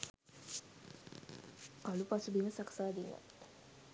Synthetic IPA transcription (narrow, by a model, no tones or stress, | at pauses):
kalupasubiʋəsaksaːd̪ila̰t̪